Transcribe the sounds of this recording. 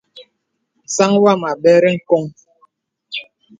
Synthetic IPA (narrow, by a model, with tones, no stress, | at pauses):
n̩˨sa˦ŋwa˦˨ma˨bɛ˦ɾɛ˦ŋ̩˨kɔ˦ŋ